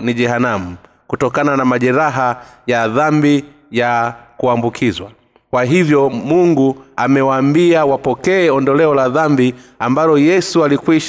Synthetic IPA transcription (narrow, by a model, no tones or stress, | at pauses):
niʄɛhanam̩ | kutɔkananamaʄɛɾaɦa | jaðambi | jakuambukʰizwa | kwaɦivjɔmuŋɡuamɛwaːmbiawapɔkɛɛɔndɔlɛɔlaðambiambalɔjɛsualikwiʃ